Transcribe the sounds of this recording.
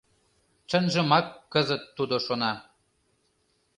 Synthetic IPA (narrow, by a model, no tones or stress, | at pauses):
t͡ʃə̆nʒə̆mɑkːəzət̪ːud̪oʃonɑ